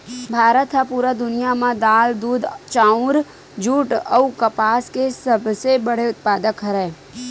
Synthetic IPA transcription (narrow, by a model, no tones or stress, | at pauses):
bʱaːɾət̪ɦapuːɾad̪ʊnijamãd̪aːld̪uːd̪t͡ʃãːʊ̃ɾ | d͡ʒuːʈəukəpaːskesəbʱsebəɽ̤eʊt̪̚paːd̪əkɦəɾɛ̃ː